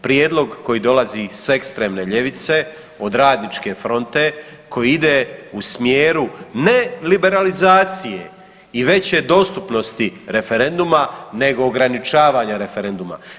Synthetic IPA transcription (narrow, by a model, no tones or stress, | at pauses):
pɾjeːd̪lˠo̞ɡko̞jid̪o̞lazise̞kst̪ɾe̞ːmne̞ʎe̞ʋit̪se̞ | o̞d̪ɾaːd̪nit͡ʃke̞fɾo̞nt̪e̞ | kʰo̞jiid̪eːusmjeːɾune̞libe̞ɾalizaːt̪sije̞̰ | iʋe̞t͡ɕe̞d̪o̞st̪upno̞st̪iɾe̞fe̞ɾe̞nd̪umane̞ɡo̞ːɡɾanit͡ʃaːʋaːɲaɾe̞fe̞ɾe̞nd̪uma̰